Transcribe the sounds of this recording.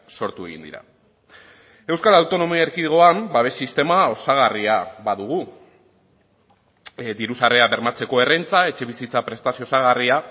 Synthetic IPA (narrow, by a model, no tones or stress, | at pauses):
so̞ɾt̪ue̞̰ɣḭnd̪ḭɾa̰ | e̞wskalawt̪o̞no̞miaeɾkiɣo̞ambaβ̞e̞sist̪e̞mao̞saɣ̞ariaβaðuɣ̞u | d̪iɾusareaβe̞ɾmat͡se̞ko̞e̞rent͡sae̞t͡ʃe̞βisit͡sapɾe̞st̪asiosaɣ̞aria